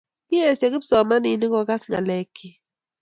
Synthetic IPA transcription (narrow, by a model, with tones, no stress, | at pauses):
ki˦e˨sa˨kɪ˦psɔ˨ma˦ni˨ni˦kɔ˨ka˦sŋa̰˨lɛ˦ki˦